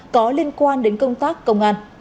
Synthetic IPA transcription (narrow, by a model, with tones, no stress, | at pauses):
kɔ˨˦li˧ənkwaː˧nɗe˨˦nkə˧wŋ͡mt̪aː˦˥kːə˧wŋ͡mʔaː˧˩ŋ